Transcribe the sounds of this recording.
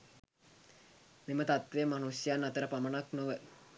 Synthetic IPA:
memət̪at̪ʋeəmanusjanːat̪əɾəpamənaknoʋə

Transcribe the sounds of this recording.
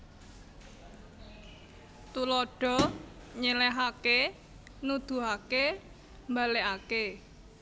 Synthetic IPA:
t̪ulɔɖ̥ɔ̤ɲelɛɦake | nud̪̥ṳɦake | mbaleʔake

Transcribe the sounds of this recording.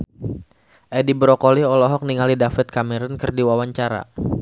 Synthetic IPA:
ʔɛdibɾɔkɔliɔlɔɦɔk̚niŋalidafɛt̪̚kamɛɾɔnkərdiwawaɲt͡ʃaɾa̰

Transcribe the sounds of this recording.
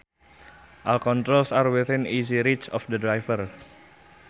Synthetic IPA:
ʔalkɔnt̪ɾolsarwiθɪniziɾit͡ʃɔfd̪ədɾajfər

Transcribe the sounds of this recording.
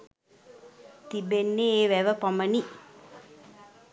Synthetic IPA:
t̪ibenːeeːʋæʋəpaməni

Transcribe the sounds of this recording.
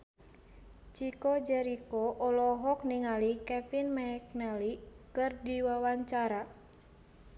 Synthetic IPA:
t͡ʃikɔd͡ʒɛɾikɔʔɔlɔɦɔk̚niŋalikɛfinmaɛk̚nɛlikɨrdiwawaɲt͡ʃaɾa

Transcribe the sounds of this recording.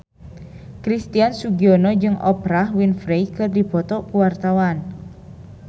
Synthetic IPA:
kɾist̪iansuɡiɔnɔd͡ʒɨŋʔɔ̰pɾahwinfɾɛjkɨrdipɔt̪ɔkuwart̪awan

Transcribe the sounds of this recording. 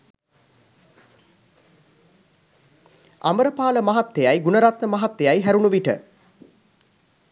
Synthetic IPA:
a̰məɾəpaːləmaɦat̪ːejajɡunəɾat̪məmɐɦat̪ːejajɦæɾunuʋiʈə̰

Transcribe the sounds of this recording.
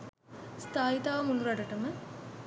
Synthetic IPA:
st̪aːit̪aːʋmuluɾɐɖɐʈɐmə

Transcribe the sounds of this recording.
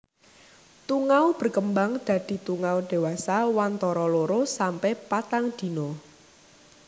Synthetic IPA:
t̪uŋawb̥ə̤rkəmbaŋd̪̥ä̤d̪̥i̤t̪uŋawɖ̪̥e̤wasawant̪ɔɾɔloɾosampɛhpat̪aŋd̪̥i̤no

